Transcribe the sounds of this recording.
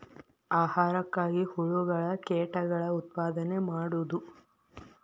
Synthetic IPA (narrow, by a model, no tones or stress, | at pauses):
aːhaːɾɐkːaːɡihuɭuɡɐɭɐkeːʈɐɡɐɭɐut̪̚paːd̪ɐne̞maːɽud̪u